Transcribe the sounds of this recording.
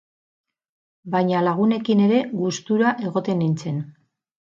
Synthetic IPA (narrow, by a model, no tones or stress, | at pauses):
bajɲalaɣ̞une̞kine̞ɾe̞ɣust̪uɾaʔe̞ɣ̞o̞t̪e̞nint͡se̞n